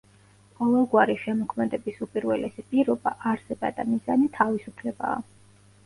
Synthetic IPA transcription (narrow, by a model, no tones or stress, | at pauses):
qʼɔlˠɔɡwaɾiʃɛmɔkʰmɛd̪ɛbisupʼiɾwɛlɛsipʼiɾɔbaʔaɾsɛba̰d̪amiza̰nit̪ʰavisupʰlɛba̰ː